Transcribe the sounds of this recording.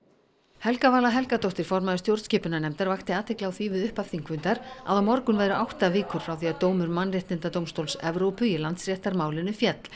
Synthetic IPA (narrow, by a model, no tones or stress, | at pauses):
hɛlkavaːlaɦɛlkat̪owht̪ɪɾ̥fɔɾmaðʏst̪jowɾt̪scɪːpʏnanɛmt̪aɾvaxt̪ɪaːt̪ʰɪklaawθviːvʏðʏhpafθiŋkʰvʏnt̪aɾa̰ðawmɔɾkʏnvɛːjɾʏʔawht̪avɪːkʏɾ̥fɾawθiaðt̪oːwmʏɾmanːrɪht̪ɪnt̪at̪owmst̪owlsɛvɾowpʏilant̪srjɛht̪aɾmaːwlɪnʏfjɛt̪l̥